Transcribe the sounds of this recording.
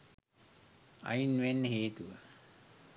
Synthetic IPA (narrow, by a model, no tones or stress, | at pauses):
a̰jinʋenːəɦeːt̪uʋə